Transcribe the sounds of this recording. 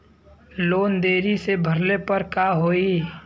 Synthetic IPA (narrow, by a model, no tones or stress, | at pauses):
loːnd̪eːɾisebʱəɾlepəɾkaɦoːiː